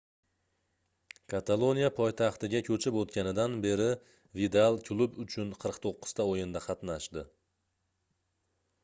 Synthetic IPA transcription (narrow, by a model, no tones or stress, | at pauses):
kʰat̪ʰalˠo̞nijapʰɔjt̪ʰɑχt̪ɪɡʲakʲʰɵt͡ʃʰɪpot̪kʲanɪd̪anbe̞ɾɪ | vid̪alˠkʰlˠubʊt͡ʃʰʊnqʰɨɾqt̪ʰoqːɨ̥z̥t̪aojɪnd̪aqʰɑt̪naʃd̪ɪ